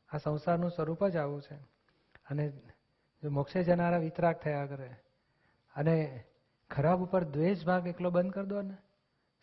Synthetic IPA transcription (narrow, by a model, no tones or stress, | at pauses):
asə̃w̃saɾnũswəɾupəd͡ʒaʋũt͡ʃʰe | əne | d͡ʒomɔkʃed͡ʒənaɾaʋit̪ɾak̚t̪ʰəjakəɾe | əne | kʰəɾabupəɾd̪ʋed͡ʒbʱãkeklobə̃nd̪̚kəɾd̪oəne